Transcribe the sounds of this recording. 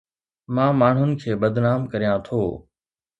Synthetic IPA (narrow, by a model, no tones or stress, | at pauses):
mãːmaːɳ̤ʊnɪ̆kʰeːɓɐd̪ʱnaːmkɐɾijãt̪ʰoː